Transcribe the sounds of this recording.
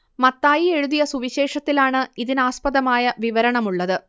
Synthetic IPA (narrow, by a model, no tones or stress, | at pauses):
mɐt̪ːaːjie̞ɻuðijɐsuʋiɕe̞ːʂɐt̪ːilaːɳɨiðinaːspɐðɐmaːjɐʋiʋɐɾɐɳɐmuɭːɐðɨ